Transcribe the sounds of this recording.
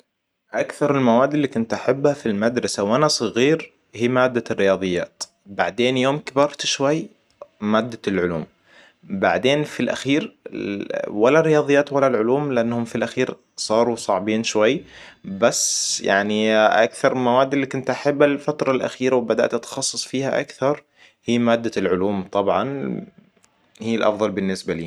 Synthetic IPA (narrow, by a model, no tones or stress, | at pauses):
ʔakθɑɾˤɪlmawaːd̪ːɪlːiːkʊnt̪ʔaħabːhafilmad̪ɾˤɑsawʔanasˤɨɣiːɾ | hiːmaːd̪ːarːɪjɑːðˤɨjːaːt̪ | baʕd̪eːnjoːmkɪbɑɾˤt̪ʃwajː | maːd̪ːalʕʊlṵːm | baʕd̪eːnfilʔa̰xiːɾ | walːarːɪjɑːðˤɨjːaːt̪walːalʕʊluːmlɪʔanːhʊmfilʔaxiːɾ | sˤɑːɾˤusˤɑʕbiːnʃwajː | basːja̰ʕniʔa̰kθɑɾˤmawaːd̪lːikʊnt̪ʔaħabːalfat̪ɾˤɑlʔa̰xiːɾawbad̪a̰ʔt̪ʔat̪xɑsˤːɨsˤfiːhaʔa̰kθɑɾˤ | hiːmaːd̪ːalʕʊluːmt̪ˤɑbʕɑn | hiːlʔɑ̰fðˤɑlbɪnːɪsbaliː